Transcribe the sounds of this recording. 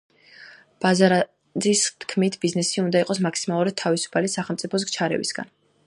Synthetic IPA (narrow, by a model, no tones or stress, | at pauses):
b̥azaɾa | d̪zist̪ʰkʰmit̪ʰbiznɛsiund̪aiqʼɔsmaksimalˠuɾad̪̥̚t̪ʰːavisu̥pʰalisaχɛlˠmt̪sʼipʰɔs̬ɡ̚t͡ʃʰaɾɛ̰vḭsɡ̥a̰n